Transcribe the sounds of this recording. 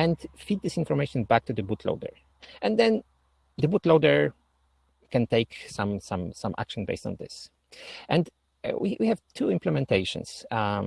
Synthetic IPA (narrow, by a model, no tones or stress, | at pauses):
ɛ̃ndfid̪̚dɪsɪ̃nfɔɹmeɪʃɔ̃nbæk̚t̪ud̪əbutʰlo̰ʊdə̰ɹ | ʔɛ̃nd̪ɛ̃n | d̪əbutloʊdə˞ | kɛ̃nteɪksãmsãmsãmʔæ̰kʃə̃nbḛɪstɔ̰̃nðɪ̰s | ʔɛ̃nd | wḭwʔihɛvtʰuɪ̃mplɛmɛ̃nteɪʃɔ̰̃ns